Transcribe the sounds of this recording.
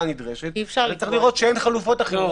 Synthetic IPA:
nid̪ʁeʃet̪ːfʃaʁt͡seχliʁo̞t̪ʃeenχalufo̞taχe

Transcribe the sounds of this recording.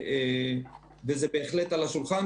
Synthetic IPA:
e | vezebeːχlet̪alaʃulχan

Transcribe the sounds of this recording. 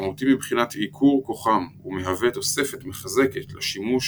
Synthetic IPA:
maut̪imibχinat̪ikʰuʁko̞χamumeɦave̞t̪o̞se̞fet̪meχaze̞ke̞t̪leʃimuʃ

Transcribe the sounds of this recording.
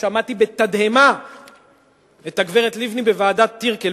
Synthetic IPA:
amat̪ibe̞t̪ad̪hema | et̪aɡveʁet̪livnibevaːdat̪ːiʁke

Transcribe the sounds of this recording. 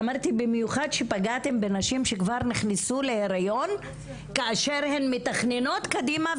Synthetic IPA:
maʁt̪ibemjuχad̪ʃepaɡat̪e̞mbenaʃimʃekvaʁniχnisule̞heʁajo̞n | kaaʃeʁhenmet̪aχneno̞t̪kad̪ima

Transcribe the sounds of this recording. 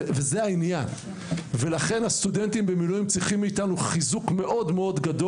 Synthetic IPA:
vezeainjan | ve̞laχe̞nhast̪ude̞nt̪imbemiluimt͡sʁiχimːiːt̪anuχizukme̞ʔo̞dmeo̞d̪ɡad̪o̞

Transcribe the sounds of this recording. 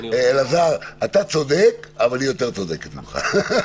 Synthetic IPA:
lazaʁat̪at͡so̞d̪ekavalijo̞t̪e̞ʁt͡sod̪eket̪mḭmχa̰

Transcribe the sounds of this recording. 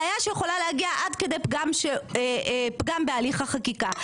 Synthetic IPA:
ajaʃejeχolalehaɡiaʔad̪ked̪ejpɡamʃe | pɡambealiχaχakika

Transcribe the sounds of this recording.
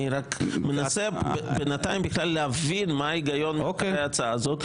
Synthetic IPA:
iɾakmenasebebenat̪ajmbiχlalːeavinmaiɡajo̞nmiokeaat͡saazo̞t̪

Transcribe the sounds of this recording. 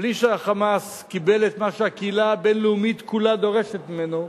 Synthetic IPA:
bliʃeaχamas | kibe̞let̪maʃeakeilabe̞nleumit̪kulad̪o̞ʁe̞ʃet̪mimeno

